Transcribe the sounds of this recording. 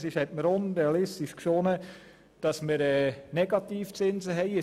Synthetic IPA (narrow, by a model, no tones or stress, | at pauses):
sɪʃhɛtməɾonɾɛɑlɪstɪʃkʃonə | d̥ɑsməɾɛːnɛɡɑt̪iːft͡sɪnzəɦɛɪə